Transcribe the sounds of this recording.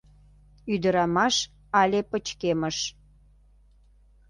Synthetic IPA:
yd̪əɾɑmɑʃ | ɑlʲepət͡ɕkeməʃ

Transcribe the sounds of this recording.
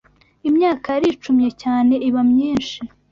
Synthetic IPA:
imɲaːkaɾit͡ʃumɲecaːne̞ʔiβamɲiːnʃi

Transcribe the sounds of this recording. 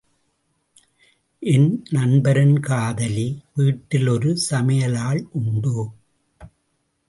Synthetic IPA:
ʔɪnnɐɳbɐɾɐnkaːðɐliʋiːʈːɪlɔɾɯsɐmɐjɐlaːɭʔʊɳɖɯ

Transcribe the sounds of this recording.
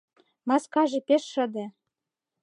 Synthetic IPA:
mɑskɑʒĕpeʃːɤ̆d̪ĕ

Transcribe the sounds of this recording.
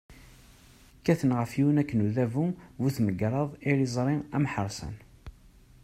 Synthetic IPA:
kːæθənʁəfiwnækːənuðævuvuθməɡɾˤɑðˤiɾizˤɾˤiæ̰mħəɾˤsˤə̰n

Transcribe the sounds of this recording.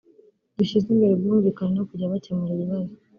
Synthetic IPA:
duʃizimbe̞ɾebɡuːɱvikananakuɟaβatemuɾeβiβazi

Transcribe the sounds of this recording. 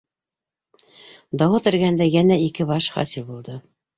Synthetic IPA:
d̪ɑwɤt̪ɘ̆ɾɡænd̪æjænæikɘbɑʃχɑ̰silˠbulˠd̪ɤ

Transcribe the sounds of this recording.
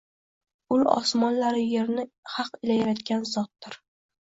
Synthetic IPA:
ʊlɒ̰smɒnlaɾɪje̞ɾnɪ | hɑqɪlajaɾat̪ɡʲanzɒt̪̚ːɪɾ

